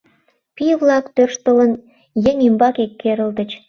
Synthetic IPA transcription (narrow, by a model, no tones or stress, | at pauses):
piβlˠɑkt̪ørʃt̪ə̆lən | jeŋimbɑkekʲːeɾə̆ld̪ə̆t͡ɕ